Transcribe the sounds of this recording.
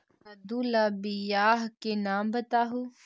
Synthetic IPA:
ɐd̪uːlaːbijaːɦkenaːmbɐt̪aːɦu

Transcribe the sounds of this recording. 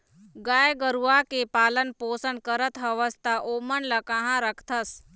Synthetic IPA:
ɡaːjɡəɾuakepaːlənpoːsənkəɾət̪ʰɦəʋəst̪ʰaʔoːmənləkãɦãɾəkʰt̪ʰəs

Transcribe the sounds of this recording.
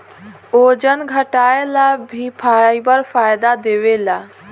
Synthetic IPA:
od͡ʒənɡʱəʈaelabʱipʰajbəɾpʰajd̪ad̪eʋela

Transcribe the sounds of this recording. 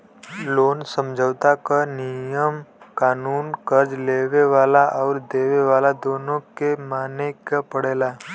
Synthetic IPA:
loːnsə̃md͡ʒʱəʋt̪akanijəmkaːnuːnkəɾd͡ʒleːʋeʋaːlaʔɔːɾd̪eːʋeʋaːlad̪oːnõkemaːnekapəɽeːlaː

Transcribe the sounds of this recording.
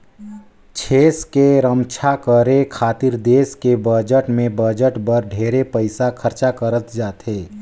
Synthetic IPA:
t͡ʃʰeːskeɾəmt͡ʃʰakəɾekʰaːt̪iɾd̪eːskebəd͡ʒəʈmẽbəd͡ʒəʈbəɾɖʱeːɾepəɪsakʰəɾt͡ʃakəɾət̪d͡ʒaːt̪ɦeː

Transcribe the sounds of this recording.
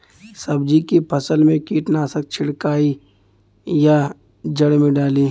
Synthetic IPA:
sɐbd͡ʒikipʰɐsəlmẽkiːʈnaːsək̚t͡ʃʰɪɽkaːi | ja | d͡ʒəɽmẽɖaːliː

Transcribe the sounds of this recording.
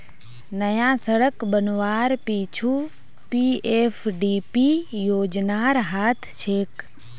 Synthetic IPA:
nɐjãːsəɽəkbənʋaːɾpiːt͡ʃʰuː | piːeːfʰɖiːpijoːd͡ʒnaːɾɦaːt̪ʰt͡ʃʰeːk

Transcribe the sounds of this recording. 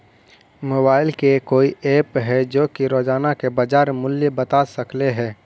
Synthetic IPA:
moːbaːɪlkekoːieːpɦɛd͡ʒoːkiɾoːd͡ʒaːnakebəd͡ʒaːɾmʊljebət̪asəkleɦɛː

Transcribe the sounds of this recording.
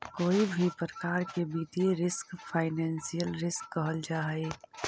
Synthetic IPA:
koːibʱipɾəkaːɾkebiːt̪iɾɪskpʰaːɪnɛ̃ːnsijəlɾɪskːəɦəld͡ʒaːe

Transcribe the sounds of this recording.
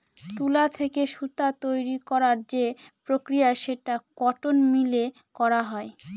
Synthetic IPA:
t̪ulat̪ʰekeʃut̪at̪ojɾikɔɾaɾd͡ʑepɾokɾijaʃeʈaɡ̥ɔʈonmile | kɔɾaɦɔe

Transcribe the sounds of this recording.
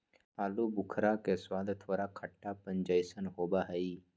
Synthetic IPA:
aːlubʊkʰɾakeswaːd̪ʱt̪ʰoːɾakʰəʈːapə̃ɲd͡ʒəjsənɦoːbaɦəiː

